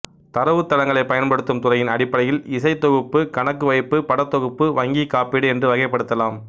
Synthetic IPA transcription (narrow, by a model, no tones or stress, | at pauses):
t̪ɐɾɐʋɯt̪ːɐlɐŋɡɐɭɐɪpɐjɐnpɐɽɯt̪ːɯmt̪ʊrɐjɪnɐɽɪpːɐɽɐjɪlɪsɐɪt̪ːɔɣɯpːɯkɐɳɐkːɯʋɐɪpːɯpɐɽɐt̪ːɔɣɯpːɯʋɐŋɡikːaːpɪɽɯɛndrɯʋɐɣɐɪpːɐɽɯt̪ːɐlaːm